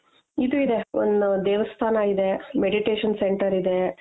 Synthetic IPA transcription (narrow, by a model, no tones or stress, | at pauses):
id̪uid̪e̞o̰nd̪ud̪eːʋɐst̪ʰaːnɐid̪e̞meɖiʈeːʂɐnseɳʈɐɾid̪e̞